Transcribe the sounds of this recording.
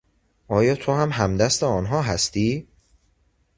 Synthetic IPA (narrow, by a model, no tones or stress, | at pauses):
ʔɒːjɒːt̪ʰohæmɦæmd̪æst̪eɒːnɦɒːɦæst̪iː